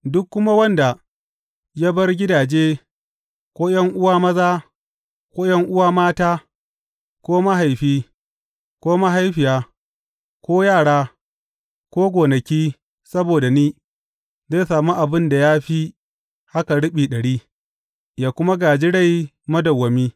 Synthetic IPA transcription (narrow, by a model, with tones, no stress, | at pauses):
dʊ˦kːʊ˦ma˦wɐ˦nda˨ | ja˦bɐ˦rɡʲɪ˦daː˨d͡ʒeː˦ | kʷoː˦jɐ˦ŋʔʊ˦waː˦mɐ˦zaː˦ | kʷoː˦jɐ˦ŋʔʊ˦waː˦maː˦taː˦ | kʷoː˦ma˦ɦa˨jɸiː˦ | kʷoː˦ma˦ɦa˦jɸɪ˨jaː˦ | kʷoː˦jaː˦˨ɽaː˦ | kʷoː˦ɡʷoː˨nɐ˨kʲiː˦ | sɐ˦boː˨da˨niː˦ | zeː˦saː˨mu˦ʔa˨bɪ˦nda˨ja˦ɸi˦ | ha˦ka˨ɽʊ˦ɓiː˨ɗɐ˨ɽiː˦ | jaː˦kʷʊ˦ma˦ɡaː˨d͡ʒɪ˦ɽa˦˨j | mɐ˦dɐ˨wːɐ˨miː˦